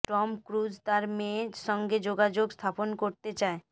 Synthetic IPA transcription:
ʈɔmkɾud͡ʑt̪aɾmeʃɔŋɡed͡ʑoɡad͡ʑoɡst̪ʰaponkoɾt̪et͡ɕae

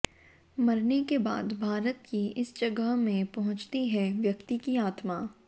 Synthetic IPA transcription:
mɐɾnekeba̰ːd̪bʱaːɾət̪kiɪsd͡ʒɐɡəɦmẽpɐɦʊ̃t͡ʃt̪iɦɛʋjɐkt̪ikiaːt̪maː

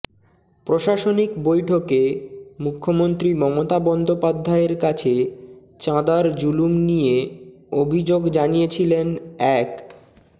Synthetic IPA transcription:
pɾoʃaʃonikbojʈʰokemukʰːomont̪ɾimɔmot̪abɔnd̪ʱopad̪ʱːaeɾkat͡ɕʰe | t͡ɕãd̪aɾd͡ʑulumnije | obʱid͡ʑoɡd͡ʑanijet͡ɕʰilenɛk

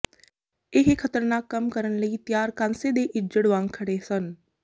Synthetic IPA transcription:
ɪɦkʰət̪əɾnaːkːəmkəɾənləiːt̪jaːɾkãnseːd̪eːʔɪd͡ʒəɽʋãːŋɡkʰəɽeːsən

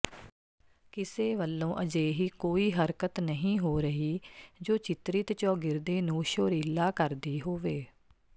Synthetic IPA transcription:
kɪseːʋəlːõːʔəd͡ʒeːɦiːkoːiːɦəɾkət̪nəɦĩːɦoːɾəɦiːd͡ʒoːt͡ʃɪt̪ɾɪt̪t͡ʃɔːɡɪɾd̪eːnũːʃoːɾiːlaːkəɾd̪iːɦoːʋeː

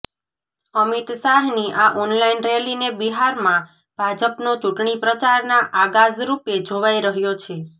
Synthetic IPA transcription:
əmit̪saɦniʔaʔɔnlainɾelinebiɦaɾmã | b̥ʱad͡ʒəpnot͡ʃuʈɳipɾət͡ʃaɾnaʔaɡad͡ʒɾuped͡ʒʱoʋajɾəɦjot͡ʃʰe

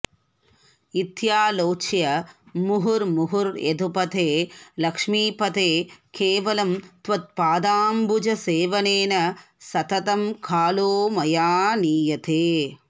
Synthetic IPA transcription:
it̪jaːloːt͡ʃjɐmuɦuɾmuɦuɾḛd̪ʱupɐt̪ʰeːlɐkʂmiːpɐt̪eːkeːʋɐlɐmt̪ʋɐt̪̚paːd̪aːmbud͡ʒɐseːʋɐneːnɐ | sɐt̪ɐt̪ɐmkʰaːloːmɐjaːniːjɐt̪ʰeː

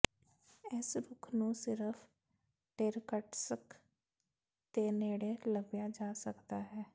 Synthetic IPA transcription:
ɛːsɾʊkʰnũsɪɾəfʰ | ʈeːɾkəʈsək | t̪eːneːɽeləbjaːd͡ʒaːsəkt̪aːɦɛː

